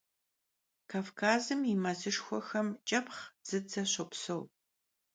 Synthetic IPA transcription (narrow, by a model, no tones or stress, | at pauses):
kʰaːfkʰaːzɨmimɐzɨʂxʷɔxɐmt͡ʃʼɐpχz̥ɨd͡zɐɕopsɐw